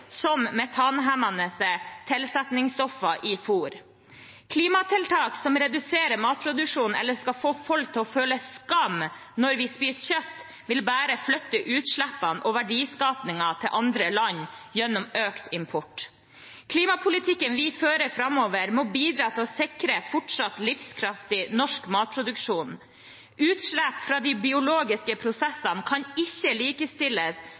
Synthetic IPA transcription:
sɔmmɛt̪ʰɑnɦæmɑnəsət̪ʰɛlsɛt̪nɪŋsɔfːɑʔɪfuːɾ | kʰliːmɑt̪ʰɪlt̪ʰɑːksɔmɾɛd̪ʉseːɾəɾmɑːt̪̚pʰɾʊd̪ʉʂuːnnɛ̰lːəskɑfoːfɔlkt̪ʰːɪɔføːləskɑmnɔɾʋɪspiːsçœt̪ː | ʋɪlbæːɾəflœt̪ːəʔʉːt̪ʂɭæpːɑnʔɔʋæɖiːskɑːpnɪŋɑt̪ʰɪlʔɑnd̪ɾəlɑɲːjɛnːɔmøːkt̪ɪmpʰɔʈ | kʰliːmɑpʰʊlɪt̪ʰɪkːənʋɪføːɾəfɾɑmːoːʋəɾmɔbiːd̪ɾɑːt̪ʰɪlɔsɪkɾəfɔʈʂɑt̪lɪfskʰɾɑft̪ɪnɔʂkmɑːt̪̚pʰɾʊd̪ʉkʂuːn | ʉːt̪ʂɭæpfɾɑːd̪ibɪʊloːɡɪskəpʰɾʊsɛsɑnkʰɑnɪçːəliːkəst̪ɪləs

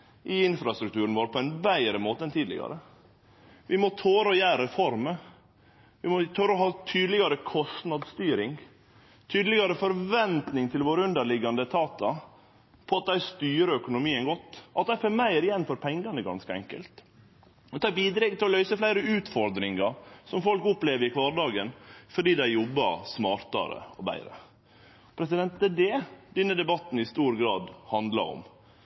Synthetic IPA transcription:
ʔɪɪnfɾɑst̪ɾʉkt̪ʰʉːɾənʋoːɾpʰɔɛnbæɪɾəmoːt̪əɛnt̪ʰiːd̪lɪ̰ɡɑ̰ɾə | ʋɪmɔt̪ʰoːɾɔjæːɾəfɔɾmə | ʋɪmɔt̪ʰœɾɔɦɑːt̪ʰyːd̪əlɪɡɑɾəkʰɔst̪nɑd̪st̪yːɾɪŋ | t̪ʰyːd̪əlɪɡɑɾəfɔɾʋɛnt̪nɪŋt̪ʰɪlʋoːɾəʉnd̪əɭɪɡɑnd̪ət̪ʰɑːt̪ɑ | pʰɔɑt̪̚d̪æɪst̪yːɾəœkʊnʊmiːənɡɔt̪ːʔɑt̪æfɛmæɪɾɪjɛnfɔɾpʰɛŋɡɑnəɡɑ̰nskəɛ̰ŋkə̰lt̪ | ɔt̪ʰɑːbiːd̪ɾɛɡt̪ʰɪlɔlœʏsəflæɪɾəʉːt̪fɔɾd̪ɾɪŋɑɾsɔmfɔlkʊpleːʋəɾɪkʰʋɑːɾɖɑːɡənfɔɖiːd̪æɪjɔbːɑ̰ɾsmɑːɾt̪ɑ̰ɾə̰ɔbæ̰ɪɾə̰ | pʰɾɛsɪd̪ɛnt̪d̪ɛd̪ɛd̪ɛnːəd̪ɛbɑt̪n̩ɪst̪uːɾɡɾɑːd̪hɑnd̪lɑ̰ɾɔ̰m

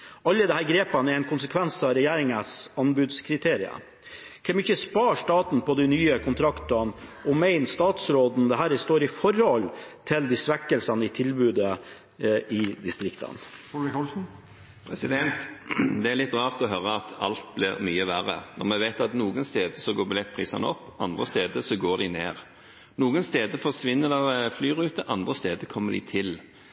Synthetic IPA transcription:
ɑlːəd̪ɛhæːɾɡɾeːpɑnɛɾɛɪnkʰʊnsəkʰʋɛnsɑɾɛjeːɾɪŋəsɑnbʉːd̪skʰɾɪt̪ʰeːɾɪɑ̰ | kʰɛmɪçːəspɑːʂt̪ɑːt̪n̩pɔd̪ɪnyːəkʰʊnt̪ʰɾɑkt̪ʊɑnɔmæɪnst̪ɑːt̪sɾoːd̪n̩d̪ɛɦæːɾst̪oːɾɪfɔɾhɔlt̪ʰɪld̪ɪsʋækːəlsɑnəɪt̪ʰɪlbʉːd̪ə | ɪd̪ɪst̪ɾɪkt̪ʰɑ̰nfɔɪɔlsn̩ | pʰɾɛsɪd̪ɛnt̪d̪ɛæɾlɪt̪ːʁɑːʁt̪ɔɦœɾəɑt̪ʰɑ̰lt̪̚blɪʁmyːəʋæːʁə̰nɔ̰ʁmɛʋæɪt̪ɑt̪nuːɡənst̪eːd̪əsɔɡoːɾbɪlɛt̪̚ːpʰʁiːsɑnəɔpːɑnd̪ʁəst̪eːd̪əsɔɡoːd̪ɪneːʁ | nuːɡənst̪eːd̪əfɔʁsʋɪnːəd̪ɛflyːʁʉːt̪əʔɑnd̪ʁəst̪eːd̪əkʰɔmːəd̪ɪ̰t̪ʰɪl

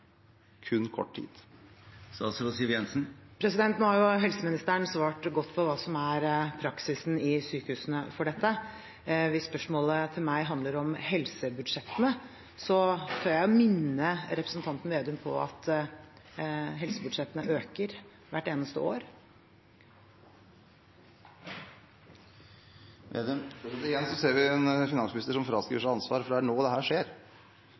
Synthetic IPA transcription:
kʰʉnːkʰɔ̰ʈːʈʰḭːd̪̥ | sɑ̰sɔʋɔsiːjɛnsnpʰɾɛsɪd̪ɛnt̪n̩hɑɾjʊɦɛlsəmɪnɪst̪əəɳsʋɑːʈɡɔt̪ːpʰɔʋɑːsɔmæɾpʰɾɑksɪsn̩ɪsyːkəhʉːsənəfɔɖɛt̪ːə | ʋɪsːpœʂmoːlət̪ʰɪlmæɪɦɑnd̪ləɾɔmhɛlsəbʉd̪ʂɛt̪ːənə | sɔt̪ʰɑːjæɪɔmɪnːəɾɛpɾəsnt̪ɑnt̪n̩ʋeːd̪ʉmpʰɔ̰ɑ̰t̪ | ɦɛlsəbʉd̪ʂɛt̪ːənəʔøːkəɾ | ʋæʈːeːnəst̪ə̰o̰ːɾ | ʋḛːd̪əmɪjɛnsɔseːɾʋɪɛnfɪnɑnsmɪnɪst̪əʂɔmfɾɑːskɾiːʋəʂæɪɑnsʋɑːɾfɔɖæɳoːd̪ɛhæːʂeːɾ

